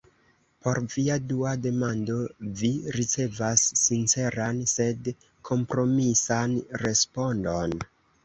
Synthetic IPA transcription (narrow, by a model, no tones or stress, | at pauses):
po̞ɾviaduade̞mando̞viɾit͡se̞vasːint͡se̞ɾanse̞d | kʰo̞mpɾo̞misanɾe̞spo̞ndo̞n